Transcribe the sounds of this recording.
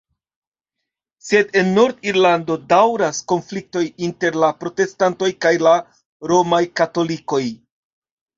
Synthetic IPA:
se̞de̞nːo̞ɾdiɾlando̞dawɾasko̞nflik̚to̞jinte̞ɾlapɾo̞te̞stanto̞jkajla | ɾo̞majkato̞liko̞j

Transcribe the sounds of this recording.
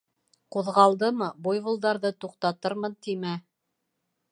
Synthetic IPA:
quðʁɑlˠd̪ɤmɤbujβulˠd̪ɑɾðɤt̪uqt̪ɑt̪ɤɾmɤnt̪imæ

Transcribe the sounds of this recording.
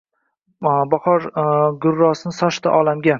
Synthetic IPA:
bɒhɒɾɡʊɾːɒsɪnɪsɒʃt̪aʔɒlamɡʲa

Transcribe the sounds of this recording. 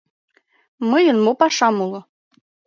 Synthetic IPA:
mɤjɤ̆nmopɑʃɑmulˠɤ̆

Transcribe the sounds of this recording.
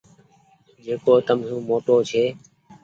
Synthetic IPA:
d͡ʒeːkoːt̪əmɦũːmoːʈoːt͡ʃʰeː

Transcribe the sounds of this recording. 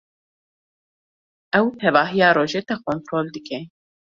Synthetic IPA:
ʔɛwt̪ʰɛvaːɦijaːɾoːʒɛt̪akʰont̪ɾoːld̪ɨkʰɛ

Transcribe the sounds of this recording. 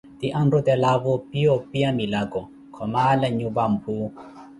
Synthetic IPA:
t̪iʔandɔt̪ɛlaβɔpiɔpiamilaɡɔ | kʰɔmalɛɲuβam̩pʰuː

